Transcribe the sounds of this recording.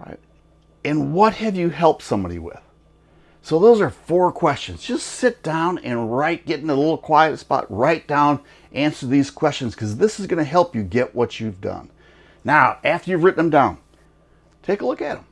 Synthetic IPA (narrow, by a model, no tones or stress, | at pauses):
ɹa̰ɪt̚ | ɨ̃nwʌt̚hɨvjɨɦɛlˠp̚tsʌ̃mbɑɾḭwɪ̰ð̥ | soʊðoʊzə˞fɔɹkʰw̥ɛst͡ʃɨ̃nz̥d͡ʒʌstsɪt̚d̥ãʊ̃nɨ̰̃nɹaɪt̚ɡ̥ɛɾɪ̃ŋəlɪɾl̩ˠkʰw̥aɪɨtspɑ̰t̚ɹaɪt̚d̥ãʊ̃n | ʔæ̃nsə˞ðiz̥kʰw̥ɛst͡ʃɨ̃n̩z̥kʰʌzðɪsɨzɡʌnɨɦɛlˠpjɨɡɛʔwʌt͡ʃɨvdʌ̰̃nː | aʊʔæftə˞jɨvɹɪʔn̩ɨ̃mdãʊ̃n | tʰeɪkəlʊkɨt̚ə̃m̩